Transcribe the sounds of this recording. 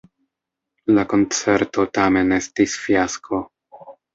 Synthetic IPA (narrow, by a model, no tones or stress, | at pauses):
lako̞nt͡se̞ɾto̞tame̞ne̞stisfiaskʰo̞